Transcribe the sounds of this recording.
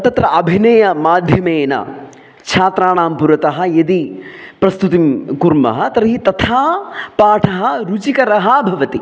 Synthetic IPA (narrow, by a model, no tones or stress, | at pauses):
t̪ɐt̪ɾɐʔɐbʱinɐjɐmaːd̪ʱjɐmeːnɐ̰ | t͡ʃʰaːt̪ɾaːɳaːmpuɾɐt̪ɐɦɐjɐd̪ipɾɐst̪ut̪imkuɾmɐ̰ɦɐt̪ɐɾɐɦit̪ɐt̪ʰaːpaːʈʰɐɦɐɾut͡ʃikɐɾɐɦɐbʱɐʋɐt̪i